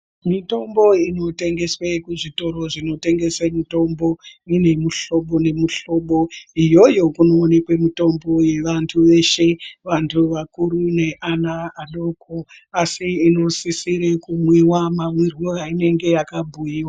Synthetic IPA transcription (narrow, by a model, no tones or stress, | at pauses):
mito̞mbo̞ino̞te̞ŋɡe̞swekuʐito̞ɾo̞ʐino̞te̞ŋɡe̞semito̞mbo̞ine̞muɬo̞ɓo̞ne̞muɬo̞ɓo̞ijo̞jo̞kuno̞ːne̞kwe̞mito̞mbo̞je̞ʋantʰuʋe̞ʃe̞ʋantʰuʋakuɾune̞ʔanaːnoko | asiːno̞sisiɾekumwiwamamwirwuʋaine̞ŋɡe̞jakabʱujiːwa